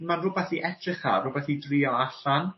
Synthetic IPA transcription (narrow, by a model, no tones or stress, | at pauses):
nmanrʊbɛθiʔɛtʰrɪχarʊbɛθidriːɔaɬan